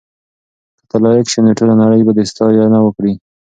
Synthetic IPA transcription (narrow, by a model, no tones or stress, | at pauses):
kə̥t̪alɑjakʃeneʈulanaɽəjbad̪əst̪ɑjɑnawəkɽi